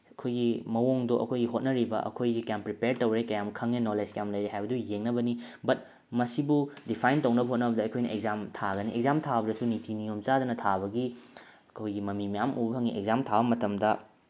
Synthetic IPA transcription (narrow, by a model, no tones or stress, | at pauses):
ɐkʰojɡimɐwoŋdoʔɐ̰kʰojɡiɦot̚nɐɾibɐ̰ʔɐ̰kʰojzikɐjampɾipeɾ̚towɾekɐjamkʰɐŋenoleskɐjamlɐjɾeɦajbɐdujeŋnɐbɐnibɐt̚ | mɐsibudipʰajntɐwnɐbɐɦot̚nɐbɐdɐɐkʰojnɐ̰eɡzamtʰaɡɐniʔek̚zamtʰabɐdɐsunitʰinijomt͡ʃad̪ɐnɐtʰaβɐɡi | ɐkʰojɡimɐmimijamubbɐɦɐŋiʔekzamtʰabɐmɐtɐmdɐ